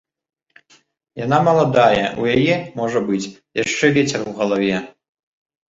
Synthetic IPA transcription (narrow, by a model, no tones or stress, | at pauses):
janamɐlˠad̪ajɐṵjajɛmoʐɐbɨt͡sʲjaʂt͡ʂːɛvʲet͡sʰɛrwʁɐlˠɐvʲɛ